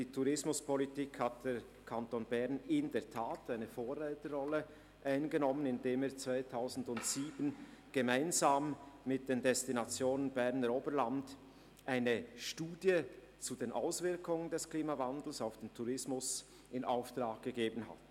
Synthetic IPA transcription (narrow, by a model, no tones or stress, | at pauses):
d̥iːtʰuʁɪsmʊspɔlitiːkhat̚d̥eːʁ | kʰantoːnbɛɐnɪndɛɐtʰaːtaɪnəfoːʁɛltəʁɔlə | ʔaɪnɡənɔmənɪndeːmeːt͡sv̥aɪtʰaʊzn̩dʊntsiːbənɡ̥əmaɪnzaːmːɪt̚d̥eːndɛstinat͡sjoːnənbɛʁnəɾoːbəland | ʔaɪnəʃtuːdjə | t͡sudeːnʔaʊsv̥ɪɐkʊŋəndɛskliːmavandl̩saʊfd̥eːntʰuʁɪsmʊs | ʔɪnaʊftʁ̥aːk̚ɡ̥əɡeːbən̩ɦa̰t